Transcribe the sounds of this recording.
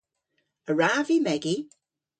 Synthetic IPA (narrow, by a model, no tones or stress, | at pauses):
əɹaːvimɛɡi